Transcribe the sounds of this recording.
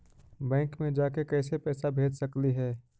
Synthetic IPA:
bɛ̃ːŋkmẽd͡ʒaːkekɛːsepɛːsabʱeːd͡ʒsɐkliɦɛː

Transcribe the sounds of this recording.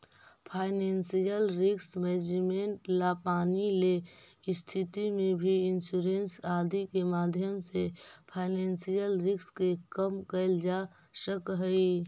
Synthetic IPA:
pʰaːɪnensijəlɾɪksmed͡ʒimeɳʈlapaːnileɪst̪ʰit̪imẽbʱiɪnsuːɾensaːd̪ikemaːd̪ʱjəmsepʰaːɪneːnsijəlɾɪkskekəmkəɪld͡ʒa | səkɦəi

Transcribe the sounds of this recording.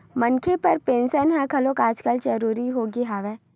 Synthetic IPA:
mɐnkʰepɐɾpẽːnʃənɦɛ̃kʰɐlokaːd͡ʒkəld͡ʒəɾuːɾiɦoːɡiɦaːʋɛː

